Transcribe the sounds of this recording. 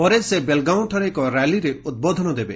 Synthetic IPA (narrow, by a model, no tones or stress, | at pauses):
pɔɾesebelɡaunʈʰɔɾekɔɾaliɾeud̪̚bod̪ʱɔnɔd̪ebe